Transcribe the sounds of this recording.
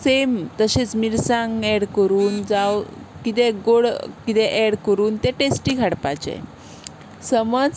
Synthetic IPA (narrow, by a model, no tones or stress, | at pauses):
semt̪əɕẽt͡smiɾsãŋɡɛɽkəɾuːnd͡zawkit̪ɛɡoɽkit̪ɛʔɛɽkəɾuːnt̪ẽʈesʈiːkaɽpat͡ɕḛ | səməd͡z